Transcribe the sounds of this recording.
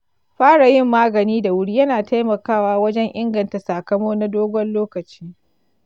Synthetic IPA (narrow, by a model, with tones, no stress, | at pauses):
ɸaː˦ɽa˨jɪ˦˨mːaː˦ɡɐ˨niː˦da˨wʊ˦ɽiː˦jɐ˦naː˨ta˦jmɐ˨kaː˦˨waː˦wɐ˦d͡ʒɛ˦ŋʔɪ˦ŋɡɐ˨nta˨saː˨kɐ˦moː˦na˦doː˦ɡʷɔ˦nloː˦kɐ˨t͡ʃiː˦